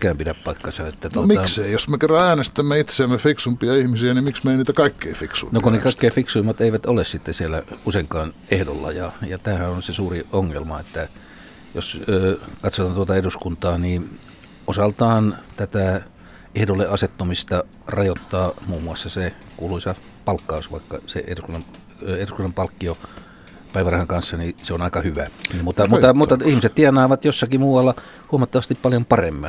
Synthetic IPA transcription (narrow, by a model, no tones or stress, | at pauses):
kæːmpidæppɑikːɑsɑet̪ːæt̪uomiɑkseijosmekerːɑæːnest̪æmːæit̪seæmmefiksumpiɑihmisiænimiksmeiniːt̪ækɑikːeifiksṵinokunekɑˑikːeːfiksuimːɑt̪eiʋæt̪olessit̪ːesielːæ̰useiŋkɑːnʔehdo̰lːɑ̰jɑjɑt̪æːhæonsesuːriʔoŋːelmɑet̪ːæ | josøːkɑt̪sot̪ɑnt̪uot̪ɑeduskunt̪ɑːniː | osɑlt̪ɑːnt̪æt̪æ | ehdolːeʔɑset̪ːomist̪ɑ | rɑjot̪ːɑːmuːmːˑuɑsːɑse | kuːluisɑ | pɑlkːɑusʋɑ̰ˑikːɑ̰sḛʔḛduskunːˑɑm | eduskunːɑmpɑlkːio | pæˑiʋæræhɑŋkɑnsːɑniseonɑˑikɑhyʋæmut̪ːɑmuːɑmut̪ːɑihmiset̪t̪iɑnˑɑːʋɑt̪josːɑkimuːʋɑlːɑ | huɑmɑt̪ːɑʋɑst̪ippɑljompɑremːi